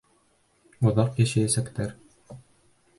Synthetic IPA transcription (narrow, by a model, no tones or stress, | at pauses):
ŏðɑqjæɕæjæsækt̪æɾ